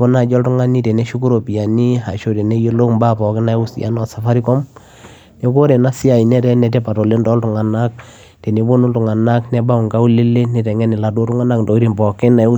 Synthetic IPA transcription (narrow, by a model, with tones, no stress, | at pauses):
ko˦na˦˨d͡ʒɔ˦ltʊ˦ŋa˦ni˦tɛ˨nɛ˦ʃu˦k̬u˦ɾo˨pi˨a˨ni˦ɦa˨ʃo˦tɛ˨nɛ˦je˦lo˦kmba˦˨pɔ˨kɪ˦na˨ɛ˦u˦sḭ˨a̰˦nɔ˨sa˨fa˦ɾi˦kɔ˦m | nɛ˦ko˦ɾɛ˨na˦si˦a˨i˨nɛ˦ɾɛ˦nɛ˨tɛ˦pa˨tɔ˨le˦ndɔ˦ltʊ˨ŋa˨na˦k̚ | tɛ˨ne˨˦bo˦nu˦ltʊ˨ŋa˨na˦knɛ˦ba˦u˨ŋɡa˦u˦le˦le˦nɪ˨ɾɛ˨ŋɛ˦nɪ˨la˨do˦tu˦ŋa˦na˦kndɔ˨i˦ɾi˨mbɔ˨kɪ˦na˨˦u˦